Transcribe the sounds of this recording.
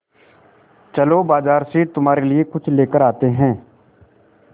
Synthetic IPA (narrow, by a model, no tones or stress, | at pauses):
t͡ʃəlobaːzaːɾseːt̪ʊmaːɾeliekʊt͡ʃʰleːkəɾaːt̪eɦɛ̃ː